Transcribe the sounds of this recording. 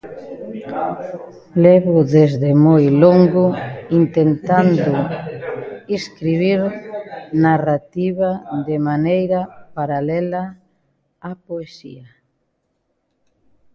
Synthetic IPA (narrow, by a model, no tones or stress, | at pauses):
leβʊðezðemojloŋɡʊint̪ent̪and̪ʊ | iskɾiβ̞iɾ | narat̪iβaðɪmanejɾapaɾalɛla | apoesḭa